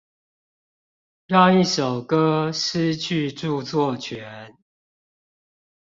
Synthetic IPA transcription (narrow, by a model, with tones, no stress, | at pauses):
jɑ˥˧i˥˩ʂo˨˩ʊkɤ˦ʂ̩˥˦t͡ɕʰy˥˧ʈ͡ʂu˥˧t͡swɔ˥˨t͡ɕʰɥɛ˨˦n